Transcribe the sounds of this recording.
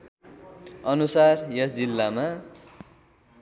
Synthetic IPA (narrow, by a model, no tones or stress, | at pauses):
ʌnusarjʌsd͡zilːama